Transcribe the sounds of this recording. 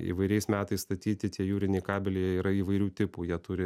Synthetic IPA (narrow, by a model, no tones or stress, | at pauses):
ḭːʋɐɪɾʲɛɪsmʲæːt̪ɐɪsst̪ɐt̪ʲiːt̪ʲɪt̪ʲiɛjuːɾʲɪnʲeɪkɑːbʲɪlʲejɛiːɾɐiːʋɐɪɾʲuːt̪ʲɪpuːjiɛt̪ʊɾʲɪ